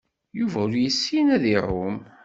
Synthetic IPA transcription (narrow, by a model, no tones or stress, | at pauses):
juvæʊɾjəsːinæðirʊm